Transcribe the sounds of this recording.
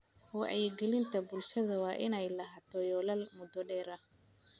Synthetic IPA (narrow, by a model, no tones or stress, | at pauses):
wɑʕɛjɡɛlɪnt̪ʰɐbʊlʃɐðɐwɑːʔɪnɛjlɐɦaːt̪ʰɔjɔːlɐlmʊd̪ɔɖɛːɾɐ